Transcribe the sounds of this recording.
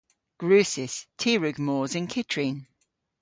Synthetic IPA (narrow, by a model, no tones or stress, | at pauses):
ɡ̥ɹʉːˑsɪstʰiːɹʉɡmɔːzɪ̃nkʰɪtʰɹ̥ĩn